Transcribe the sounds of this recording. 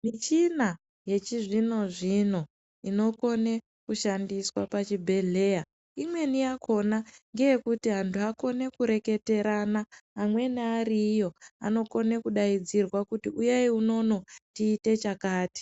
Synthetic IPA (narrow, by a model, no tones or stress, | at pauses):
mit͡ʃina | je̞t͡ʃiʐino̞ʐino̞ | ino̞ko̞ne̞ | kuʃandiswapat͡ʃibʱe̞ɮe̞ːja | imwe̞nijakʰo̞naŋɡe̞jekutiɦantʰuako̞ne̞kuɾe̞ke̞te̞ɾanaɦamwe̞neaɾijo̞a̰no̞ko̞ne̞kuɗaid͡zirwakutiʔujeiuno̞no̞tiːte̞t͡ʃakaːti̥